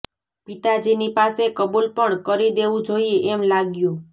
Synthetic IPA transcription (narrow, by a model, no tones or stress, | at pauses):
pit̪ad͡ʒinipasekəbulpəɳkəɾid̪eʋũd͡ʒoieʔːmlaɡjũ